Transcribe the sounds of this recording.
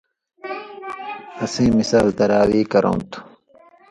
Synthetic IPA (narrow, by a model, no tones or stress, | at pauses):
ɐsẽːmisaːlt̪ɐɾaːwiːkɐɾõ̰ːt̪u̥